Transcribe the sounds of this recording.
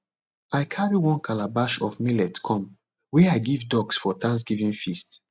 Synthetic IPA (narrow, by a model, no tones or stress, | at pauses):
ajkʰaɹiwɔ̃nkʰalabaʃɔfmilɛtkʰɔ̃m | wɛaɪɡivdɔɡsfɔtʰãns̬ɡivĩŋfist